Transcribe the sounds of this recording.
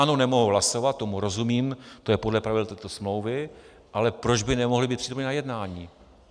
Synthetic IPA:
anonɛmo̞ɦuɦlaso̞vat̪̚t̪ːo̞muɾo̞zumiːmt̪ojɛpodlɛpɾavɪdlt̪ɛːt̪o̞smlo̞wvɪ | ʔalɛpɾo̞d͡ʒbɪnɛmoɦlɪbiːt̪priːt̪omɲɛnajɛdnaːɲiː

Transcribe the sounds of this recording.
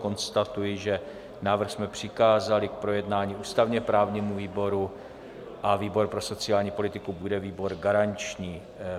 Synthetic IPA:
ko̞nst̪at̪ujɪʒɛ | naːvr̩xsmɛpr̝̥ɪkaːzalɪk̚pɾo̞jɛdnaːɲiːʔuːst̪avɲɛpɾaːvɲiːmuviːbo̞ɾu | ʔaviːbo̞ɾpɾo̞sot͡sɪaːlɲiːpo̞lɪt̪ɪkubudɛviːbo̞ɾɡaɾant͡ʃɲiː

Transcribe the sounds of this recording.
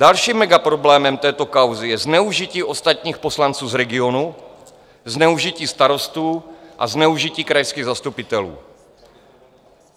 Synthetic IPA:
d̥alʃiːmːɛɡapɾo̞blɛːmɛmt̪ɛːt̪o̞kawzɪjɛznɛuʒiciːʔo̞st̪at̪ɲiːxpo̞slant͡suːzɾɛɡɪo̞nu | znɛuʒiciːst̪aɾo̞st̪uːʔa̰znɛuʒiciːkɾajskiːɣzast̪upɪt̪ɛlṵː

